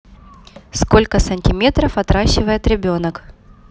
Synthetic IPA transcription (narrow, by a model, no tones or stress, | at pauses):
sko̞lʲkəsənʲtʲɪmʲe̞t̪ɾəfɐt̪ɾaɕːɪvəjɪt̪ɾʲɪbʲo̞nək